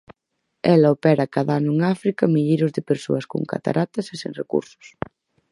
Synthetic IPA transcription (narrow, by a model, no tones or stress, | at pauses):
ɛlɐopɛɾakaðaanʊeŋafɾikɐmiʎiɾʊzðɪpeɾso̰ɐsko̰ŋka̰t̪a̰ɾʔat̪ɐsesẽŋrekṵɾsʊ̥s